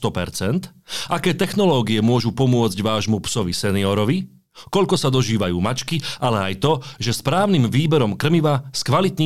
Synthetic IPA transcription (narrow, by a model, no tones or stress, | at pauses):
t̪ɔpɛ̰ɾt͡sɛnt̪ʔakɛːt̪ɛxnɔlɔːɡiɛmʊɔʒupɔmʊɔd͡zɟʋaːʒmupsɔʋisɛniɔɾɔʋi | kɔʎkɔsad̪ɔʒiːʋajuːmat͡ʃkiʔalɛajt̪ɔʒɛspɾaːʊnimʋiːbɛɾɔmkr̩miʋaskʋalit̪ɲ